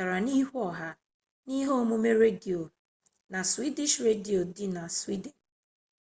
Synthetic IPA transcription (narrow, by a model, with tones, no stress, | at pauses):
a˨ɾa˨ni˦ɦɔ˨ɦa˦ | ni˦ɦo˦o˦mu˦me˦ɾe˦di˨o˨ | na˨swi˦di˦ʃɾe˦di˨o˨dɪ˦na˨swi˦de˨n